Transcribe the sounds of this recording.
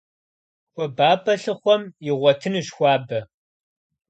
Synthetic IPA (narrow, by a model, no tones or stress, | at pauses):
xʷɔbaːbɐɬɨχʷɔmjɪʁʷɔtʰɨnɨʃxʷɑːbɐ